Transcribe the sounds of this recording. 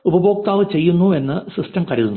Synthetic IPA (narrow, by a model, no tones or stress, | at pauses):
ubɐbo̞ːk̚t̪aːʋɨt͡ɕe̞jːunːue̞nːɨsistɐmkɐɾiðunː